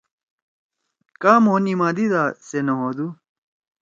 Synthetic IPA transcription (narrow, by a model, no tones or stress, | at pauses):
kaːmoːnimãːd̪id̪aːsenɐɦod̪u